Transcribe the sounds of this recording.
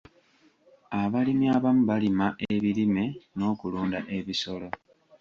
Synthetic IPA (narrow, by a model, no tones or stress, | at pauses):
aβalimiaβamuβalimaʔeβilime̞no̞ːkuluːndaʔe̞βiso̞lo̞